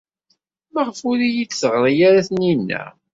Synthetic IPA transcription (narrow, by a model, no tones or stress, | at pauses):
mæʁəfulijit͡sːθəʁɾˤijaɾaθəninːæ̰